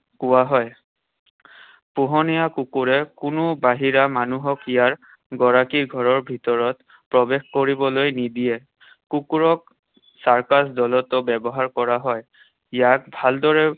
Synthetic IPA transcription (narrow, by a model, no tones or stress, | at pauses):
kuwaɦɔj | puɦɔnijakukuɹɛkʊnʊbaɦiɹamanuɦɔkijaɹ | ɡɔɹakiɡʱɔɹɔɹbʱitɔɹɔt | pɹɔbexkoɹibɔlojnidijɛ | kukuɹɔk̚ | saɹkasdɔlɔtʊbɛbɔɦaɹkɔɹaɦɔj | ijak̚bʱaldɔɹɛ